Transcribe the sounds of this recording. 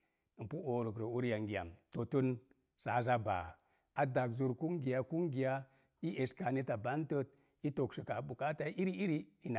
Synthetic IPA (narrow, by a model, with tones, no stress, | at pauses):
pu˦o˨ɾu˨kɾə˨u˦ɾja˨ŋɡi˨a̰˨mto˨tu˦n | sa˨˦za˦ba̰˨ | a˨da˨kzu˨ɾku˦ŋɡi˨ja˦ku˦ŋɡi˨ja˦ | i˦ʔe˨ska˨ni˦ta˨ba˦ntə˦t̚ | i˦to˨ksi˨ka˨bu˨ka˦ta˦ʔi˦ɾi˦i˦ɾi˦i˦na˨